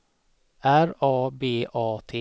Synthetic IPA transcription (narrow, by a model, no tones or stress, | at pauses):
æɾɑːbeːʔɑːt̪ʰeː